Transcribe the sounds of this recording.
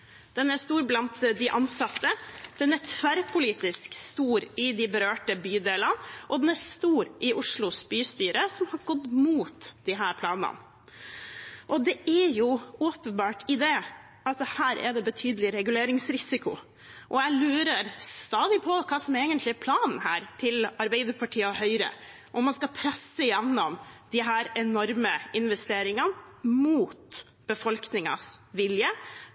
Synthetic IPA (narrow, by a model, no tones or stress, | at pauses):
d̪̥ɛnæst̪uːɾblɑnt̪d̪ɪʔɑnsɑt̪ːəd̪̥ɛnæɾt̪ʰʋæɾpʰʊliːt̪ɪskst̪uːɾɪd̪ɪbəɾøːʈəbyːd̪eːlənʔɔd̪ɛnæst̪uːɾʔɪʔʊʂlʊsbyːst̪yːɾəsɔmhɑɾɡɔd̪muːt̪d̪̥ɪɦæːɾpʰlɑːnə̰n | ʔɔd̪ɛʔæjʊoːpənbɑːʈɪd̪eː | ɑt̪hæːɾʔɛ̰ɖ̪ɛbət̪ʰyːd̪əlɪɾɛɡʉleːɾɪŋsɾɪsɪkʊ | ʔɔjæɪlʉːɾəɾst̪ɑːd̪ɪpʰɔkʰɑːsɔmeːɡənt̪lɪæɾpʰlɑːnn̩hæːɾʈʰɪlɑɾbæɪd̪əɾpʰɑʈʰiːəɔhœʏɾə̰ | ʔɔmːɑnskɑpʰɾɛsːəjɛnːɔmd̪̥ɪɦæːɾɛnɔɾməɪnʋɛst̪eːɾɪŋɑnmuːt̪ | b̥əfɔlknɪŋɑ̰sʋɪljə